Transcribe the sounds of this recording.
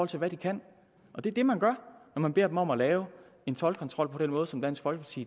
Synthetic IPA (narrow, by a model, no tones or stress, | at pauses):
ɒlt͡sʰe̝lʋæd̥ikʰæn̰ | ʔɒ̽d̥e̝ɐd̥e̝mænɡ̥ɶɐ̰nɒmænb̥e̝ɐ̰d̥emɒ̽mælɛːʊ | e̝nt͡sʰɒ̽lkʰɒ̽nt͡sʰʁɒ̽l̰pʰɒ̽d̥enmɔ̽ːð̞̩ˠsɒ̽md̥æn̰sɡ̥fɒ̽lɡ̥əpʰɑ̈t͡sʰḭ